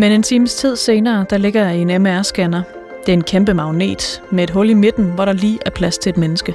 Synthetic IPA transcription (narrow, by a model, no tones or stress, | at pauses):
mene̝nt͡sʰiːməst͡sʰið̞̰ˠse̝ːnɐːd̥ɑ̈le̝ɡ̥ɐjɑ̈ienemæɐsɡ̥ænɐ | d̥e̝ɐe̝nkʰemb̥əmɑ̈ʊne̝̰ːd̥mee̝d̥ɦɔ̽lime̝d̥n̩ʋɒɾ̥ɑ̈liːʔæɐpʰlæst͡sʰe̝ed̥menəsɡ̥ə